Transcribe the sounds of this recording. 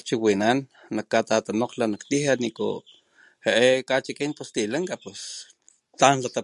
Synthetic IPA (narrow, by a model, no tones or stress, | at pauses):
t͡ʃiwinanː | akːat̪at̪anoqlanakt̪iɦaniko̰ | heʔekat͡ʃikint̪ost̪ilaŋkapwes | t̪anlat̪a